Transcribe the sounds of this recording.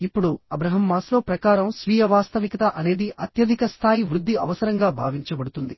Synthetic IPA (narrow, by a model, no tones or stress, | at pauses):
ipːuɽuɐbɾɐɦɐmːaːslo̞ːpɾɐkaːɾɐmsʋiːjɐʋaːst̪ɐʋikɐt̪ɐʔɐne̞ːd̪iʔɐt̪jɐd̪ʱikɐst̪ʰaːjiʋɾud̪ːiɐʋɐsɐɾɐŋɡaːbʱaːʋiɲt͡ʃɐbɐɽut̪und̪i